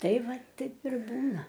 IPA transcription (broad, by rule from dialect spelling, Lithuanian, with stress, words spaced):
ˈtɐɪ ˈʋɐ ˈtɐɪp ɪr ˈbuːnɐ